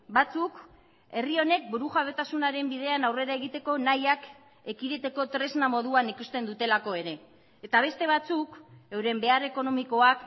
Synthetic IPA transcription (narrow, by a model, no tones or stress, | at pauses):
bat͡suk | e̞rio̞ne̞k̚buɾuʝaβe̞t̪asunaɾe̞mbið̞e̞anawre̞ɾae̞ɣit̪e̞ko̞najak | e̞kiɾe̞t̪e̞ko̞t̪ɾe̞znamo̞ðuanikust̪e̞nd̪ut̪e̞lako̞e̞ɾe̞ː | t̪aβ̞e̞st̪e̞β̞at͡sukewɾe̞mbe̞are̞ko̞no̞miko̞ak